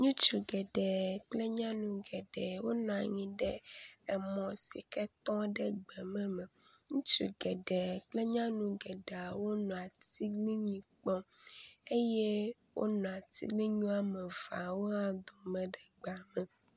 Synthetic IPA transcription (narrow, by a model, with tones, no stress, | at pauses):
ɲũ˦t͡ʃu˨ɡɛ˨ɖɛ˨k͡ple˦ɲã˦nũ˨ɡɛ˨ɖɛ˨wo˦nɔ̃˨a˨ɲĩ˨ɖɛ˦ɛ˨mɔ̃˨si˨kɛ˦t̪ɔ̃˦ɖɛ˨ɡ͡bɛ˨mɛ̃˦mɛ̃˨ɲũ˦t͡ʃṵ˨ɡɛ˨ɖɛ˨k͡ple˦ɲã˦nũ˨ɡɛ˨ɖe˨a˨wo˦nɔ̃˨a˨t̪i˦li˦ɲĩ˨k͡pɔ˦e˦je˦ | wo̰˦nɔ̃˨a˨t̪ḭ˦li˦ɲũ˦a˨mɛ̃˨va̰˨wo˦a˦d̪o˨mɛ̃˨ɖɛ˨ɡ͡ba˨mɛ̃˨